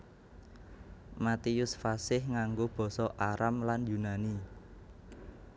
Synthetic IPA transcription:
mat̪iʊsfasɪhŋaŋɡob̥ɔ̤sɔʔaɾamlanjunani

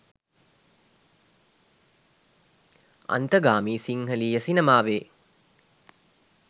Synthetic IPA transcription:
ɐ̰nt̪ɐɡaːmiːsiŋhɐliːjɐsinɐmaːʋeː

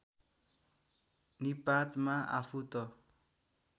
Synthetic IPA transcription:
nipat̪maʔa̰pʰut̪ʌ

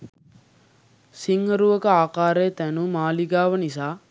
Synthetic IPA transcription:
siŋhɐɾuʋɐkəaːqaːɾeːt̪ænumaːliɡaːʋɐnis̬aː

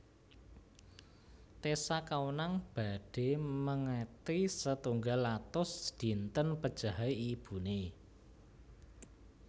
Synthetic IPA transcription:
t̪esakawnaŋb̥a̤ɖ̥e̤məŋet̪isət̪uŋɡalːat̪ʊsd̪̥i̤nt̪ənpəd̥ʒ̥a̤ɦaeib̥ṳne

